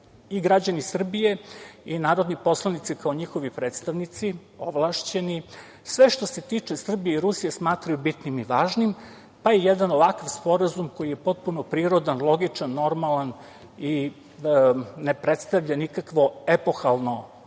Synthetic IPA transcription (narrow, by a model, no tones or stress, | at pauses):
iɡɾad͡ʑanisr̩bijeinaːɾod̪nipo̞slˠanit̪sikao̞ɲixo̞ʋipɾe̞ːt̪st̪aʋnit̪si | o̞ʋlˠaːʃt͡ɕe̞ni | sʋeʃt̪o̞se̞t̪iːt͡ʂesr̩bijeiɾusijesmaːt̪ɾajubit̪nimiʋaːʒnim | pajejed̪anoʋakaʋspo̞ɾazumko̞jijepo̞t̪̚punopɾiːɾo̞d̪anlˠo̞ɡit͡ʂanːo̞ɾmalan | i | nepɾet̪st̪aʋʎanikakʋo̞epo̞xalˠno̞